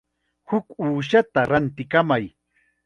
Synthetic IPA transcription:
hʊkuːʃat̪aɾant̪ɪkamaj

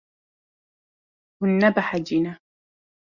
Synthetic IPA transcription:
hʊnːabaħad͡ʒɪna

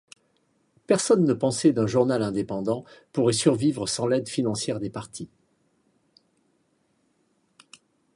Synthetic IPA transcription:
pɛʁsɔnːəpɑ̃sɛd̪ɛ̃ʒuʁnalɛ̃d̪epɑ̃d̪ɑ̃puʁɛsyʁvivʁəsɑ̃lɛd̪finɑ̃sjɛʁd̪epaʁt̪ʰi

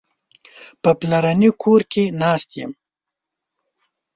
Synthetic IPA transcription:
pəplaɾanikʰoɾkenɑst̪jəm

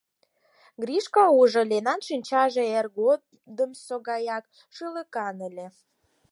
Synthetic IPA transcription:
ɡriʃkɑuʒɤ̆lenɑnʃinʲt͡ɕɑʒeerɡo | d̪əmsoɣɑjɑk̚ | ʃɨləkɑnəlʲe

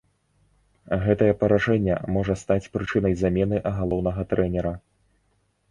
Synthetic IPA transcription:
ɣɛt̪ɐjɛpɐɾaʐɛnʲːɛ̰mɔʐɐst̪at͡sʲpɾɨt͡ʂɨn̪ɐjzamʲɛn̪ɨʔɐɣalˠɔwn̪ɐɣɐt̪ɾɛnʲɛɾɐ

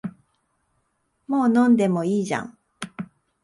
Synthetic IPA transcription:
moːnõ̞nd̪e̞mo̞iːʑã̰ŋ

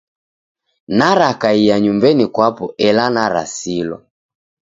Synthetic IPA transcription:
naɾakaijaɲumbɛnikwapɔɛlanaɾa̰silɔ̰

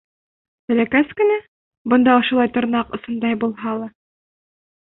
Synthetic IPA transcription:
t̪ɘ̆lækæskɘ̆næ | bŏnd̪ɑŏʃŏlˠɑjt̪ŏɾnɑqŏsɤ̆nd̪ɑjbulˠɦɑlˠɑ

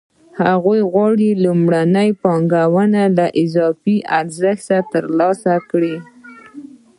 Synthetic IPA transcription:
haɣujɣwɑɽilumɽanəjpɑŋɡawənalaʔɪzɑfiʔaɾzəxt̪at̪əɾlɑsakɽi

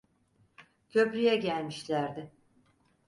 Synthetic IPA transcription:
cʰø̞pɾyjɛɟælʲmiʃlʲæɾd̪ɪ

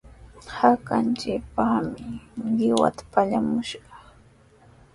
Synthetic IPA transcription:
hakant͡ʃɪk̚pɑχmɪɢɪwa̰t̪ḁpaʎamʊʃɢɑ

